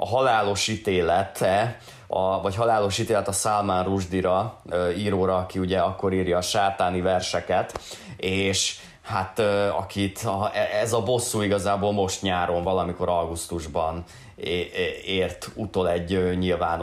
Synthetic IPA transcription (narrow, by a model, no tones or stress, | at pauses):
ɒ̰ɦɒlaːlo̞ʃit̪eːlɛt̪ʰɛ | ɒvɒcɦɒlaːlo̞ʃit̪eːlɛt̪ɒsalmanruʒd̪iɾɒøiːɾoːɾɒːkiuɟɛɒkːo̞ɾiːɾjɒːʃaːrt̪aːnivɛrʃɛkɛt̪eːʃ | hat̪øɒ̰kit̪ɒɛɛzɒbo̞sːuiɡɒzaːboːlmo̞ʃt̪ɲaːɾo̞ɱvɒlɒmiko̞ɾɒɡust̪uʒbɒn | eːrt̪ut̪o̞lɛɟːøɲilvaːn